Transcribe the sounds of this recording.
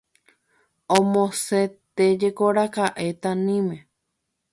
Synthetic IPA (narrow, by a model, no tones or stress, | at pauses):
õmõset̪ed͡ʒekoɾakaʔe̞t̪ãnĩmẽ